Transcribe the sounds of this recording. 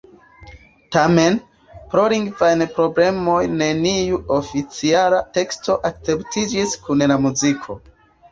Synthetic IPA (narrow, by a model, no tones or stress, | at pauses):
tame̞n | pɾoɾiŋɡvajnpɾo̞ble̞mo̞jne̞niuofit͡sialate̞ksto̞ʔak̚t͡se̞ptʰid͡ʒiskunlamuzikʰo̞